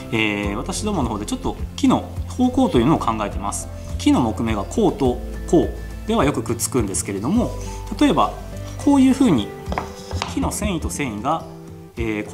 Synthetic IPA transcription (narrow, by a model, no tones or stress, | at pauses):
eːβ̞at̪aɕid̪o̞ːmo̞no̞ɦo̞ːd̪e̞t͡ɕo̞t̪ːo̞kʲino̞ho̞ːko̞ːt̪o̞jiɯ̟ːnoːkʰãŋɡae̞t̪e̞ma̰sɨ̥ | kʲino̞mo̞kɯ̟me̞ɡakʰo̞ːt̪o | ko̞ː | d̪e̞β̞ajo̞kɯ̟kɯ̟t͡sɨ̥kɯ̟̃nd̪e̞sɨ̥ke̞ɾe̞d̪o̞mo̞t̪at̪o̞e̞ba | kʰo̞ːjɯ̟ːɸɯ̟ːɲ̟i | kʲino̞sẽ̞ɰ̃it̪o̞sẽ̞ɰ̃iɡa | eːk